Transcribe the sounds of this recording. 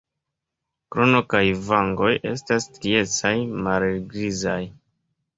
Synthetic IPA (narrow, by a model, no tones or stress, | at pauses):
kɾonokajvaŋɡo̞jʔe̞̰stastɾie̞t͡sajmalɡɾizaj